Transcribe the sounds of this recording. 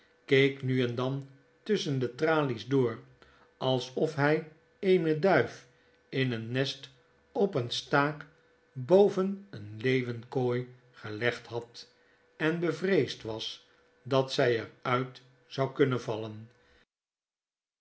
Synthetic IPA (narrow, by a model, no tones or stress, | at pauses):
kejknyɛndɑn | tɵsəndətraːlizdʊːr | ɑlˠsɔfɦɛj | eɪnədœɥf | ɪnənːɛst | ɔpənstaːk | bowvənənlejvənkoj | χəlɛχtɦɑt | ɛnbəvrejstʋɑs | dɑtsɛjərœɥt | z̥ɑwkɵnənvɑlən